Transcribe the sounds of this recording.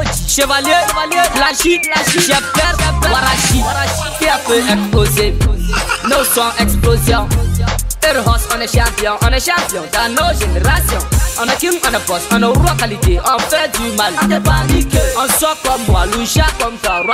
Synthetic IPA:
d͡ʒiʃevaliealelaʃiaʃɛpɛɾwaɾaʃiaɾaikeafeɛksploze | nosʷɔ̃ʔɛksplozjɔ̃ | eɾɦɔsɔnɛʃãmpiɔ̃ʔɔnɛʃampjɔ̃danoʒeneɾasjɔɔnɛkinɔnɛpɔsɔneɾuɔkaliteʔɔ̃fɛdimaleaikɔnsɔkɔm̩baluʒakɔm̩saɾwa

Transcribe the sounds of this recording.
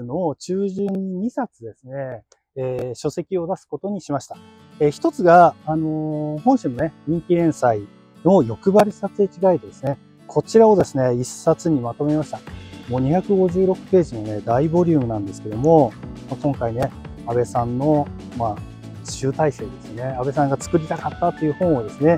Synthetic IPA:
no̞t͡ɕɨːʑɨɲ̟ːiɲ̟isat͡sɨd̪e̞sɨne̞ː | ɕo̞se̞kʲio̞d̪asɨ̥ko̞t̪o̞ɲ̟iɕimaɕi̥t̪ḁ | eçi̥t̪o̞t͡sɨɡaːno̞hõ̞ɰ̃ɕimo̞neɲ̟ĩŋkʲiɾẽ̞ɰ̃sai | no̞jo̞kɯ̟baɾʲisat͡sɨekʲiɡaid̪ed̪e̞sɨne̞ | kʰo̞t͡ɕiɾao̞d̪e̞sɨne̞isːat͡sɨɲ̟imat̪o̞me̞maɕi̥t̪amo̞ːɲ̟içakɯ̟ɡo̞ʑɨːɾo̞kɯ̟̥pe̞ːʑinone̞d̪aibo̞ɾʲɯ̟ːmɯ̟nãnd̪e̞sɨ̥ke̞d̪o̞mo̞makõ̞ŋkaine̞ | abe̞sãnːo̞ | mḁː | ɕɨːt̪aise̞ːd̪e̞sɨne̞abe̞sãŋɡat͡sɨ̥kɯ̟ɾʲit̪akat̪ːat̪ːo̞iɯ̟ːhõ̞ɰ̃o̞d̪e̞sɨne̞

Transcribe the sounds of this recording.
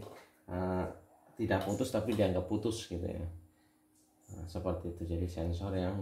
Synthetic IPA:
ʔə | t̪idaʔput̪ʊst̪apidiaːŋɡapːut̪ʊsɡit̪ṵja̰ | ə̰səpərt̪iːt̪ud͡ʒadisɛnsɔrjaŋ

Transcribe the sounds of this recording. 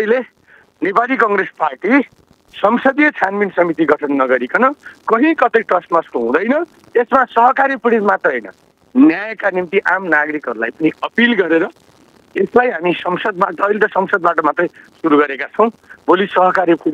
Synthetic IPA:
ʌjle | nepalikʌŋɡɾesparʈi | sʌmsʌd̪ijʌt͡sʰanminsʌmit̪iɡʌʈʰʌnːʌɡʌɾikʌnʌkʌɦĩkʌt̪ʌjʈʌsʈmaskoɦũd̪ʌjnʌ | esmasʌɦʌkaɾipuɽit̪mat̪ʌɦʌjnʌ̰ | njajkanimt̪iʔamnaɡɾikɦʌɾulajpʌniʌpilɡʌɾeɾʌ | eslajɦamisʌmsʌd̪̚bat̪ʌːjlet̪ʌsʌmsʌd̪baʈʌmat̪rʌjsuɾuɡʌɾekat͡sʰʌw̃bolisʌɦʌkaɾjip

